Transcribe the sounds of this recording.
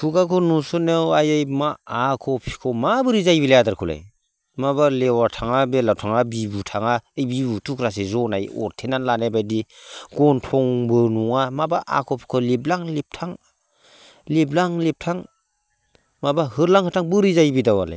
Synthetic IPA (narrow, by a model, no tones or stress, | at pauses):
pʰukakʰɔnusɯnewajejmaakʰɔpʰi̥kʰɔmabɯɾizajbilajadaɾkʰula̰j | mabalewatʰaŋabelawtʰaŋabibutʰaŋaejbibutʰukɾas̬ezɔnajɔ̰ɾtʰenanlanabajdiɡ̥ɔntʰɔŋbɯnuŋamabaʔa̰kʰɔpʰi̥kʰɔliblaŋlep̚tʰaŋ | leblaŋlep̚tʰaŋ | mabahɯɾlaŋhɯtʰaŋbɯɾizajbidawa̰la̰j